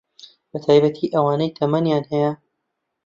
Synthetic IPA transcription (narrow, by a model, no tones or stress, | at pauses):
bɐt̪ʰaːjbɐt̪ʰiːʔɐwaːnɐjt̪ʰɐmɐnjaːnhɐjɐ